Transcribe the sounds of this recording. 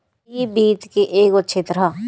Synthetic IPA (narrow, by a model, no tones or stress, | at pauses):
iːbiːt̪keʔeːkətːʃʰeːt̪əɾaː